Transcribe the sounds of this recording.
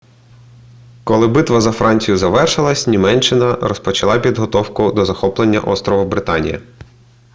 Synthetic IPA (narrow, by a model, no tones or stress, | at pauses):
kɔlˠɪbɪt̪ʋɐzɐfɾɑnʲt͡sʲijʊzɐʋɛrʃɪlˠɐsʲnʲimɛnt͡ʃːɪnɐɾɔspɔt͡ʃɐlˠɑpʲid̪ɦɔt̪ɔwkʊd̪ɔzɐxɔplˠenʲːɐ̰ʔɔst̪ɾɔʋɐbɾɪt̪ɑnʲḭjɐ̰